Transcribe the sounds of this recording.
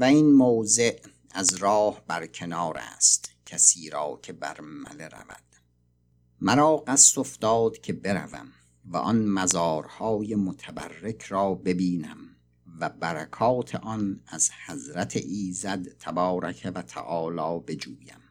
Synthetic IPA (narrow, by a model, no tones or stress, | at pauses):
væinmoːze̞ʔ | æzɾɒːhbæɾkʰe̞nɒːɾæ̰ːst̪cʰæsiːɾɒːcʰe̞bæ̰ɾmæ̰le̞ɾæ̰væ̰d̪̥ | mæɾɒːɢæsːofd̪ɒːd̪̥cʰe̞be̞ɾæ̰væ̰m | væ̰ʔɒnmæzɒːɾhɒːjemot̪ʰæbæ̰rːe̞kʰɾɒːbe̞biːnæm | væbæɾækʰɒːt̪ʰḛʔɒnæzhæzɾæt̪ʰḛʔiːzæd̪t̪ːʰæbɒːɾækʰevæt̪ʰæ̰ʔɒːlɒːbe̞d͡ʒuːjæ̰m